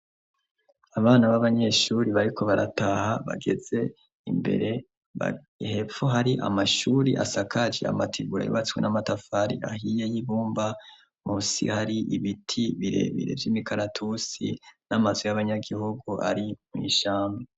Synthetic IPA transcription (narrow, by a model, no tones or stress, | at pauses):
aβaːnaβaβaɲe̞ʃuːɾiβaɾikʰo̞βaɾa̰tahaβa̰ɡe̞z̥e̞ | imbe̞̰ɾe̞ | a̰ | he̞poɦaɾiʔa̰maʃuːɾiʔa̰sakʰad͡ʒea̰matʰiɡuɾa̰jṵβat͡skwenʔamatafaɾiahije̞jiβuːmba | musḭhaɾiʔiβitʰiβiɾe̞̰βḭɾe̞̰vjimikaɾatʰusḭnamazujaβaɲaɡiɦuɡuʔa̰ɾimwḭʃaːmbe